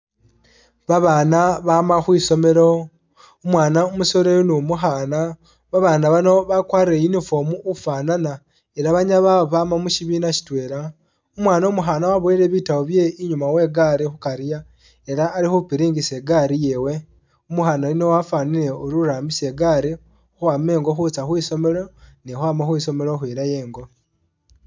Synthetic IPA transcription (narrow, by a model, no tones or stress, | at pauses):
βaβaːnaβaːmaxwiːso̞me̞ɾo̞ | omwaːnaomuso̞ɾejunumuxaːna | βaβaːnaβano̞βakwaːɾiɾejinifo̞muːfaːnana | eɾaβaɲaβaβaːmamuciβiːnaci̥tweːɾa | omwaːnaomuxaːnawaβwoiɾe̞βitawoβje̞iɲumawe̞ɡaɾixukaɾija | e̞ɾaːlixupiɾiːŋɡiseɡaɾijewe̞ | omuxaːnainowafaːniɾe̞oɾuɾaːmbise̞ɡaɾi | xuwaːme̞ːŋɡo̞xut͡saxwiːso̞me̞lo̞nixwaːmaxwiːso̞me̞ɾoxwiːɾajeːŋɡo̞